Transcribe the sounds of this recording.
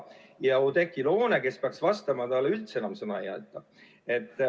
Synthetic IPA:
jɑod̪e̞kːilo̞ːneke̞speɑksvɑst̪ɑmɑt̪ɑlːeylt̪seenɑmsɤnɑḛjɑ̰t̪ːˑɑ | e̞t̪ˑː

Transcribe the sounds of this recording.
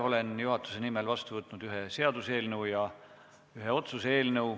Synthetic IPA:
o̞le̞njuɦɑt̪ːˑu̥se̞nimelvɑst̪uvɤt̪ːˑnud̪̥yɦe̞se̞ɑd̪̥useːlnɤwjɑ | yɦe̞o̞t̪susee̞ːlnɤw

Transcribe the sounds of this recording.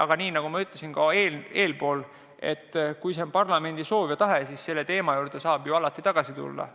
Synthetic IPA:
ɑɡ̥ɑniːnɑɡ̥umɑyt̪ːˑlesinkɑeːle̞ːlpo̞ːl | e̞̰t̪ːˑkujsempɑrlɑme̞nd̪̥iso̞ːvjɑt̪ɑɦe̞siːsse̞lːe̞t̪e̞ːmɑjuːrd̪̥e̞sɑːbjoɑlɑt̪ːˑit̪ɑɡ̥ɑsit̪ṵlːɑ̰

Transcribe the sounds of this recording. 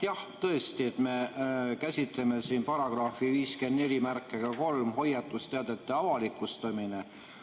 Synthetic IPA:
jɑht̪ɤ̞est̪iet̪me̞kæsʲit̪le̞me̞siːnpɑɾɑɡ̥rɑfiviːske̞nd̪ne̞lʲimærkːˑe̞ɡ̥ɑko̞lmɦo̞jɑt̪ːˑust̪eɑd̪̥e̞t̪ːˑeɑvɑlikːˑust̪ɑmine

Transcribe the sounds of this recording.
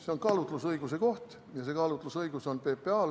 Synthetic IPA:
seonkɑlut̪lusɤjɡ̥use̞ko̞ht̪ | jɑsekɑlut̪ˑlusɤiɡ̥uso̞npe̞ːpːe̞ɑːl

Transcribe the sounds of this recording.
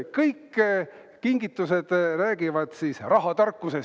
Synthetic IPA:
kɤjkː | kiŋɡit̪ːˑuse̞d̪̥ræːɡ̥ivɑd̪̥siːsrɑɦɑt̪ɑrkːˑuse̞

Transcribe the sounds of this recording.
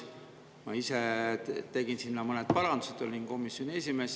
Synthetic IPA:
mɑiset̪e̞ɡ̥insinːɑmɤned̪̥̚pɑɾɑnd̪̥uset̪o̰lʲinko̞misjo̞nʲie̞s̬ʲime̞ːs

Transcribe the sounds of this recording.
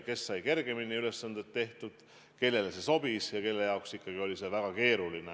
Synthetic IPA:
ke̞sːɑjke̞rɡ̥e̞minːiyle̞sːɑnd̪et̪ːe̞ht̪ud̪̥ | ke̞lːe̞lese̞so̞b̥isjɑke̞lːe̞jɑoksikːɑɡ̥io̞lʲise̞væɡ̥ɑke̞ːɾuline

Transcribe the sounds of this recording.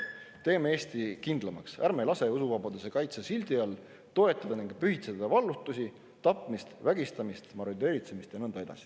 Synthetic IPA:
t̪e̞ːmee̞ːst̪ikind̪̥lɑmɑksæɾme̞lɑse̞usuvɑbɑd̪̥use̞kɑjt̪sesilʲd̪̥iɑl | t̪o̞e̞t̪ːˑɑd̪̥ɑniŋɡ̥pyhit̪sed̪̥ɑvɑlːut̪ːˑusʲi | t̪ɑpˑmist̪væɡist̪ɑmist̪mɑɾod̪e̞ːɾit̪se̞mist̪jɑnɤnd̪ɑe̞d̪̥ɑ̰si̥

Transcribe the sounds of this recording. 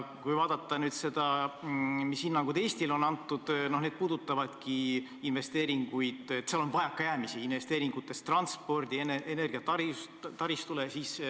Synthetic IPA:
kujvɑːd̪̥ɑt̪ːɑnyːd̪̥se̞d̪̥ɑ | mishinːɑŋɡud̪e̞ːst̪ilo̞nːɑnt̪ːˑud̪̥no̞hned̪̥̚puːd̪̥ut̪ːˑɑvɑd̪̥ki | inve̞st̪e̞ːɾiŋɡ̥ujd̪̥et̪ːseɑlo̞nvɑjɑkːˑɑjæːmisiinve̞st̪e̞ːɾiŋɡ̥ut̪ːˑe̞st̪rɑnspo̞rd̪ienʔene̞rɡ̥iɑtt̪ɑɾis | t̪ɑɾist̪ulesiːs

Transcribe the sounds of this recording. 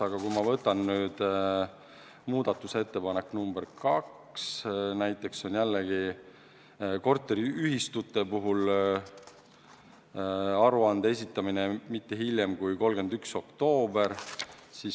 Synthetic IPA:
ɑɡ̥ɑkujmɑvɤt̪ːˑɑnnyːd̪̥ | muːd̪̥ɑt̪ːˑuse̞t̪ːe̞pɑnekːˑnumb̥eɾkɑk | snæjt̪ːˑe̞kso̞njælːeɡi | ko̞rt̪ːˑe̞ɾiyɦist̪ut̪ːˑe̞puɦul | ɑɾuɑnd̪̥ee̞s̬ʲit̪ːˑɑminemit̪ːe̞ɦiljemkujko̞lɡ̥e̞nd̪ykso̞kt̪o̞ːbe̞ɾsis

